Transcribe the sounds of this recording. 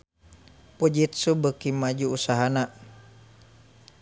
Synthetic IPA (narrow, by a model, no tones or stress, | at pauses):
pud͡ʒit̪̚subəkimad͡ʒuːsaɦana